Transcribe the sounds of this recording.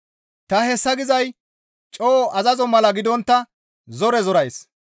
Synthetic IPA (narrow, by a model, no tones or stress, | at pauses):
t̪ɐhɛsːɐɡɪzɐj | t͡ʃʼoːʔɐzɐzɔmɐlɐɡɪd̪ɔnt̪ːɐ | zɔɾɛzɔɾɐjs